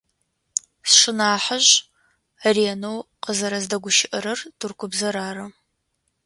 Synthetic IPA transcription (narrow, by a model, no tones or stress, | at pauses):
sʂɨnaːħəʑ | reːnow | qəzɐɾɐzdɐɡʷʊʃɪʔɐɾɐrtʰurkʷʰʊbzɐɾaːɾɐ